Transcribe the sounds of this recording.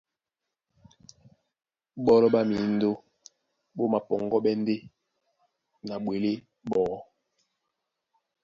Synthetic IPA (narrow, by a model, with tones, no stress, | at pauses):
ɓɔ˦lɔ˦ɓa˦mi˨˦n̩˦do˦ | ɓo˦ma˨pɔ˨ŋɡɔ˦ɓɛ˦n˦de˦ | na˨ɓwe˨le˦ | ɓɔː˨˦